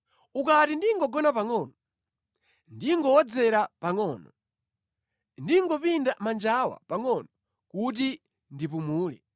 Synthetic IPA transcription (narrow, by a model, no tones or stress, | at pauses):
ukatindiŋɡɔɡɔnapaŋɔnɔ | ndiŋɡɔwɔd͡zɛɾapaŋɔnɔ | ndiŋɡɔpindamand͡ʒawa̰paŋɔnɔ | kut̬i | ndipumuːlɛ̰